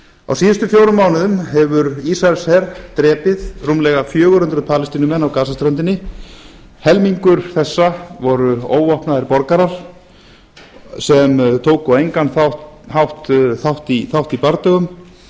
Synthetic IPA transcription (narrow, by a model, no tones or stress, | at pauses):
a̰wsiːðʏst̪ʏfjoːwɾʏmaːwnɪðʏmɦɛvʏɾisaɾsɛɾt̪ɾɛːpɪðrumlɛɣafjœːɣʏɾ̥hʏnt̪ɾʏðpʰaːlɪst̪iːnʏmɛnːawkaːsast̪ɾœnt̪ɪnːɪ | hɛlmiŋkʏɾ̥θɛsːavɔɾʏo̰ːwɔhpnaðɪɾpɔɾkaɾaɾ̥ | sɛmt̪ʰoːwkɔejŋkanθahhawht̪θawht̪iθawht̪ipaɾt̪œɣʏm